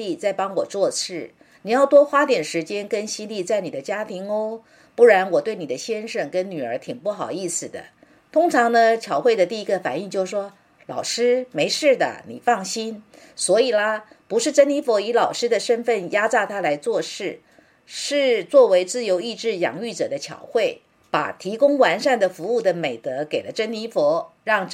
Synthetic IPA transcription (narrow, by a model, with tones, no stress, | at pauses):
i˥˧t͡sa˥˩ɪpɑ˥ŋwɔ˨˩t͡swɔ˥˧t͡sʰɻ̩˥˩ | ni˨˩jɑ˥˩ʊt̪wɔ˥xwa˥t̪jɛ˨˩nʂɻ̩˧˥t͡ɕjɛ˥nkə˥nɕi˥nli˥˧t͡sa˥˩ɪni˨˩ə˦t͡ɕja˥t̪ʰi˧˥ŋo˥ | pu˥˩ɻa˧˥nwɔ˨˩t̪we˥˩ɪni˨˩d̪ə˦ɕjɛ˥nʂɤ˥˩ŋkə˥nny˨˩ə˞˧˥t̪ʰi˨˩ŋpu˥˩xɑ˨˩ʊi˥˩sɹ̩˨˩d̪ə̰˩ | t̪ʰʊ˥ŋʈ͡ʂʰɑ˧˥ŋnə˧t͡ɕʰjɑ˧˥ʊxwe˥˩ɪd̪ə˩t̪i˥˩i˧˥ɡə˧fa̰˨˩ni˥˧ŋt͡ɕjo˥˩ʊʂwɔ˥ | lɑ̰˨˩ʊʂɻ̩˥me˧˥ɪʂɻ̩˥˩d̪ə̰˩nḭ˨˩fɑ˥˩ŋɕi˥nswɔ˧˥i˨˩lə˦pu˧˥ʂɻ̩˥˩ʈ͡ʂə˥nni˧˥fɔ˧˥i˧˥lɑ˨˩ʊʂɻ̩˥d̪ə˨ʂə˥nfə˥˩nja˥t͡sa˥˧t̪ʰa˥la˧˥ɪt͡swɔ˥˧ʂɻ̩˥˩ | ʂɻ̩˥˧t͡swɔ˥˩we˧˥ɪt͡sɹ̩˥˩jo˧˥ʊi˥˧ʈ͡ʂɻ̩˥˩jɑ̰˨˩ŋy˥˩ʈ͡ʂɤ˨˩d̪ə˦t͡ɕʰjɑ̰˨˧˩ʊxwe˥˩ɪ | pa̰˨˩t̪ʰi˧˥kʊ˥ŋwa˧˥nʂa˥˩nd̪ə˩fu˧˥u˥˩d̪ə˩me˨˩ɪt̪ɤ˧˥ke˨˩ɪlə˦ʈ͡ʂə˥nni˧˥fɔ˧˥ɻɑ˥˩ŋ